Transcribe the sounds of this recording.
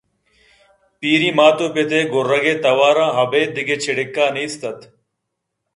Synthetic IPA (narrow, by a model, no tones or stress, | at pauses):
piːɾĩːmaːt̪oːpet̪eːɡʊɾːɐɡeːt̪ɐwaːɾãːɦɐbeːd̪ɪɡet͡ɕʰɪɽɪkːaːnest̪ɐt̪